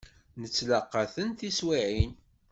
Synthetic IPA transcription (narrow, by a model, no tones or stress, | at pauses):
nət͡sːlɑqːɑθənθiswiʕin